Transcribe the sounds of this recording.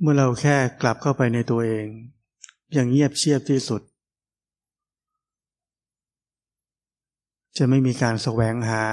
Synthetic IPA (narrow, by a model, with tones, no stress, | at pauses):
mɯ˥˩ɐɾa˧wkʰɛː˥˩kla˨˩p̚kʰa˥˩wpa˧jna˧jt̪u˧ɐʔeː˧ŋ | ja˧˩ŋɲi˥˩əp̚t͡ɕʰi˥˩əp̚t̪ʰiː˥˩su˨˩t̪̚ | t͡ɕa˨˩ma˥˩jmiː˧kaː˧nsa˧wɛː˩˦ŋɦaː˩˦